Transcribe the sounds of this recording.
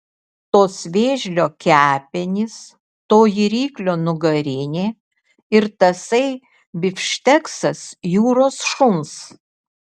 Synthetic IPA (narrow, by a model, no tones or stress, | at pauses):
t̪oːsʋʲeːʒʲlʲoːkʲæːpʲɪnʲɪs | t̪oːjiɾʲiːklʲoːnʊɡɐɾʲɪnʲeː | ɪɾt̪ɐsɐɪ | bʲɪfʲʃʲt̪ʲɛksɐsjuːɾoːsʃʊms